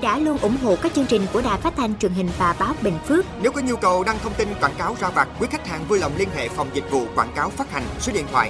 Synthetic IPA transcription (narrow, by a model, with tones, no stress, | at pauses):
ɗa̰ː˧˥lu˧ənʔʊ̰˧˩ŋ͡mɦo̰˧˨kaː˦˥k̚t͡ɕɨ˧əŋt͡ɕï˨˩ŋ̟ku˧˩əɗaː˨˩jfaː˦˥t̚t̪ʰa˧jŋ̟t͡ɕwi˨˩ənhï˨˩ŋ̟vaː˨˩ɓaː˨˦wɓḛ˧˨˩ŋ̟fɨ˦˥ək̚ne˨˦wkɔ˨˦ɲu˧kə˨˩wɗaː˧ŋt̪ʰə˧wŋ͡mt̪i˧nkwaː˧˩nkaː˨˦wzaː˧vaː˨˩t̚kwi˨˦ka˦˥k̚ha̰ː˧˨˩ŋvuː˧jlə̰˨˩wŋ͡mli˧ənɦḛ˧˨fa˨˩wŋ͡mzï˨˩k̟̚vṵ˧˨kwaː˧˩nkaː˨˦wfaː˦˥t̚ha˨˩ŋ̟swə˨˦ɗḭ˧˨nt̪ʰwa̰ː˧˨j